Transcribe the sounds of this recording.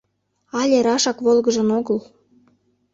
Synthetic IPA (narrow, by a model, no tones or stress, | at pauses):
ɑlʲeɾɑʃɑkβolɣəʒə̆noɣəl